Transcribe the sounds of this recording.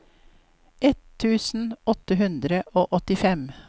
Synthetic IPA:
ʔɛt̪ʰːʉːsn̩ɔt̪əhʉnd̪ɾəʔoːʔɔt̪ɪfɛm

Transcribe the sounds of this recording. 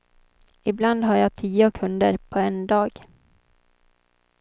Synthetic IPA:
ɪbland̪ɦaːɾjɑːt̪ʰiːʊkʰɵnd̪əɾpʰɔɛnd̪ɑːɡ

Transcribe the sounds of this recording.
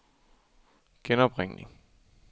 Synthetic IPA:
ɡ̥enɒb̥ʁɛŋ̰lḭŋ

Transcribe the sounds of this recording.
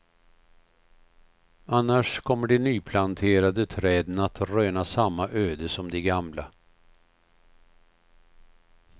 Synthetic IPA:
anːaʂkʰɔmːəɖɛnyːpʰlant̪ʰeːɾad̪ət̪ʰɾɛːd̪ənat̪ɾøːnasamːaʔøːd̪əsɔmd̪ɛɡamla

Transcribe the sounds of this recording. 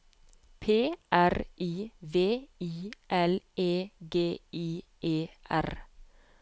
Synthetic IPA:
pʰeːʔæɾiːʋeːiːʔɛleːɡeːiːʔeːʔæ̰ɾ

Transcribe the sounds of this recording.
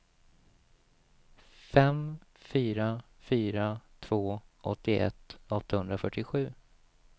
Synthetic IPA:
fɛmfyːɾa | fyːɾat̪ʰvoːʔɔt̪ːɪʔɛ̰t̪ːɔt̪ːahɵnd̪ɾafœʈːɪɧʉ̟ː

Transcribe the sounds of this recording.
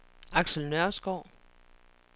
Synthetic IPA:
ɑ̈ɡ̥səl̩nɶɐ̰sɡ̥ɒʊ̰

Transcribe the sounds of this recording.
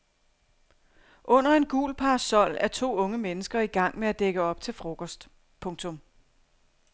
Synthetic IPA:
ʔɔ̽n̰ɐe̝nɡ̥ṵːlpʰɑ̈sɒ̽l̰æɐt͡sʰo̝̰ːɔ̽ŋəmenəsɡ̥ɐiɡ̥ɑ̈ŋ̰meæd̥eɡ̥əɒ̽b̥̚t͡sʰe̝lfʁo̝ɡ̥ʰɒsd̥ | pʰɔ̽ŋt͡sʰɔ̽m

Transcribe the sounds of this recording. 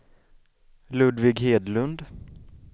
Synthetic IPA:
lʉ̟ːd̪vɪɡɦeːd̪lɵnd̪

